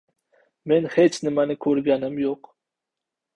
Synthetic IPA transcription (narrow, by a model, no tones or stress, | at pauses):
me̞nhet͡ʃʰnɪmanɪkʲʰɵɾɡʲanɪmjoq